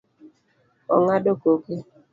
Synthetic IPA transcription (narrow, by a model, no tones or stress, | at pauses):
ɔ̰ŋadokoke